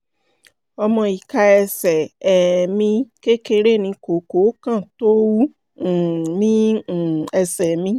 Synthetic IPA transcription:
ɔ˧mɔ̃˧i˨ka˧ɛ˧sɛ˨ɛ˨mĩ˧ke˦ke˧ɾe˦˨nĩ˧ko˨˦ko˨˦kã˦˨to˦wũ˦˨ | nĩ˦˨ | ɛ˧sɛ˨mĩ˧˦

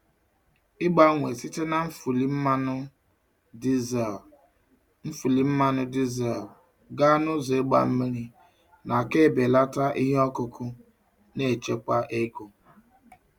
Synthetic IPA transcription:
ɪ˦ɡ͡ba˦ŋʷe˨si˦te˦na˨m̩˦fu˨li˦m̩˦m˦˨ | m̩˦fu˨li˨m̩˦ma˦nʊ˦di˦ze˨l | ɡa˦nʊ˦zɔ˨e˦ɡ͡ba̰˨m̩˦mi˦ɾi˦ | na˨ke˦˨be˨la˦ta˦ʔi˦ɦe˦ɔ˦kʊ˨kʊ˦ | ne˦˨t͡ʃe˦kʷa˦ʔe˦ko˨

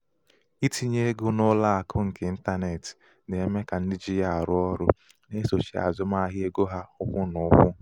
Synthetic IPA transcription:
i˦ti˦ɲe˦ɡʊ˦nʊ˦la˦a˨kʰʊ˦ŋ̩˨ke˨n̩˦ta˦ne˨tɪ̥˨ | de˨e˦me˦ka˨n̩˦dɪ˦d͡ʒi˦ja˦˨a˨ɾʊ˦ɔ˦ɾʊ˦ | ne˦so˨t͡ʃḭ˨a̰˨zʊ˦ma˦a˦ɦɪ˦e˦ɡo˦ɦa˦ʊ˦kʷʊ˦nʊ˨˦kʷʊ˦

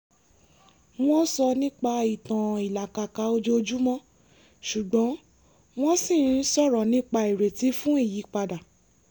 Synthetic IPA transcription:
w̃ɔ̃˦sɔ˧nĩ˦k͡pa˧i˨tã˨i˨la˨ka˨ka˧˦o˧d͡ʒo˧d͡ʒu˦mɔ̃˦ | ʃu˨ɡ͡bɔ̃˨˦ | w̃ɔ̃˦sĩ˦˨n̩˦sɔ˦˨ɾɔ˨nĩ˦k͡pa˧i˨ɾe˨ti˨˦fũ˦i˦˨ji˨˦k͡pa˧da˨

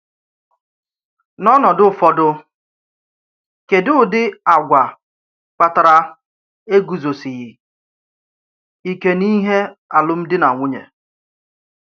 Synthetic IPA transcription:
nɔ˦nɔ˨dʊ˦˨fɔ˦dʊ˦ | ke˨dʊ˦˨dɪ˦a˨ɡʷa˨ | k͡pa˨ta˨ɾa˦ | e˦ɡu˨zo˨sɪ˨ɣɪ˨ | i˦ke˦ni˦ɦe˦a˨lʊ˦m̩˦dɪ˦na˨ŋʷʊ˦ɲḛ˨

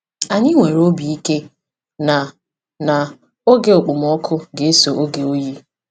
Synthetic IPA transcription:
a˨ɲɪ˦ŋʷe˨ɾo˦bi˨i˦ke˦ | na˨ | na˨ | o˦ɡe˨o˨k͡pʊ˨m˦ɔ˦kʰʊ˦ɡe˨e˦so˨ʔo˦ɡe˨o˦ji˦

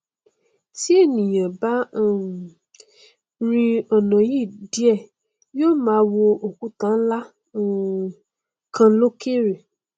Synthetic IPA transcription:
ti˦e˦˨nĩ˨j̃ã˨ba˦˨ | ɾ̃ĩ˧ɔ˨nã˨ji˦˨di˨˦ɛ˦˨ | joː˦mãː˨˦wo˧o˨ku˨˦tã˦la˦˨ | kʰã˧˦lo˦ke˦˨ɾe˨

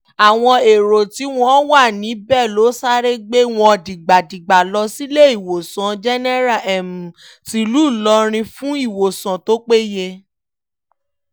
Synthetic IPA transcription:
a˨w̃ɔ̃˧e˨ɾo˨ti˨˦w̃ɔ̃˦wa˦˨nĩ˨˦bɛ˦˨lo˨˦sa˦ɾe˦ɡ͡be˦w̃ɔ̃˧˨di˨ɡ͡ba˨di˨ɡ͡ba˨lɔ˧si˦le˦i˦˨wo˨sã˨d͡ʒɛ˦nɛ˦ɾa˦˨ɛ˨mũ˨ | ti˦lu˦˨lɔ˧ɾ̃ĩ˧fũ˦i˦˨wo˨sã˨to˦k͡pe˦je˧

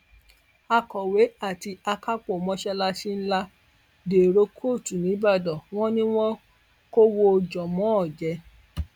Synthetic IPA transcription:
a˧kɔ˨we˨˦a˦˨ti˧a˧ka˦k͡po˦˨mɔ̃˧˦ʃɛ˧la˧ʃi˦n̩˦la˦ | de˨ɾo˦kʰo˦˨tu˨nĩ˨˦ba˦˨dɔ˨w̃ɔ̃˦nĩ˦w̃ɔ̃˦ | ko˦wo˦˧d͡ʒɔ˨mɔ̃˨˦ɔ˦˨d͡ʒɛ˨˧˦

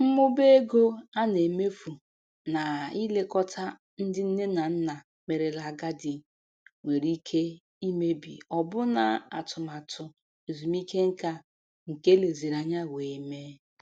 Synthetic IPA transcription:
m̩˦mʊ˦be˦e˦ɡo˦a˦ne˨me˦fu˨ | na˨i˦le˦kɔ˦tʰa˦ | n̩˦dɪ˦n̩˦ne˦na˨n̩˦na˨ | me˨ɾe˨la˨ɡa˦dɪ˨ | ŋʷe˨ɾi˦kʰe˦ | i˦me˦bḭ˨ɔ˨bʊ˦na˨a˨tʊ˨ma˨tʊ˨ | e˨zu˨mi˦ke˦ŋ̩˦ka˦ | ŋ̩˨ke˦le˨ze˨ɾa˨ɲa˦we˨i˦me˦

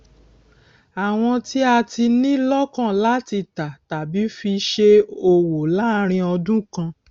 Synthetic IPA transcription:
a˨w̃ɔ̃˧ti˦a˧ti˧nĩ˦lɔ˦kã˦˨la˦ti˧ta˨ta˨bi˨˦fi˧ʃe˧o˧wo˨la˦ɾ̃ĩ˧ɔ˧dũ˦kã˧

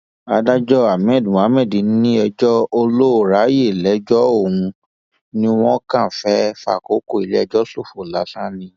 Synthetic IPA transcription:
a˧da˦d͡ʒɔ˦a˨m̃˨ɛ˨˦˨d̃a˨˦mɛ̃˦˨dĩ˨˦n̩˦nĩ˦ɛ˧d͡ʒɔ˦o˧lo˦o˨ɾa˨˦je˦˨lɛ˨˦d͡ʒɔ˦o˦˨ũ˧ | nĩ˦w̃ɔ̃˦kã˦˨fɛ˦fa̰˦˨ko˨˦ko˦˨i˨le˦ɛ˧d͡ʒɔ˦so˦˨fo˨la˨˦sa˦nĩ˧

